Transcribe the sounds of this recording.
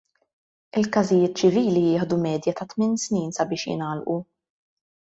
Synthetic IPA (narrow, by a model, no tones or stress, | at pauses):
ɪlkɐzɪjɪːt̪̚t͡ʃɪviːlijɪːħd̪umɛːd̪jɐt̪ɐt̪mɪnsniːnsɐbɪːʃjɪ̰nɐːlʔu